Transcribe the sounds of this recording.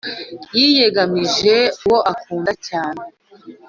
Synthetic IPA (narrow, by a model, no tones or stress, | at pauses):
jije̞ɡamiʒe̞uwo̞ʔakuːndacaːne